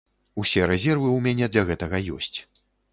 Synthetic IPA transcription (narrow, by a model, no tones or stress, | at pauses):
usʲɛɾɛzʲɛrvɨumʲanʲɛd̪lʲɐɣɛt̪ɐɣɐjɔ̰sʲt͡sʲ